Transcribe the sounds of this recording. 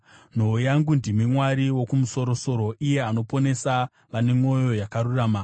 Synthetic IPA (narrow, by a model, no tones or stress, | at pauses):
n̤oojaŋɡundimimwaɾiwokumuso̞ɾo̞so̞ɾo̞ije̞ano̞po̞ne̞sa | ʋane̞mo̞jo̞jakaɾuraːma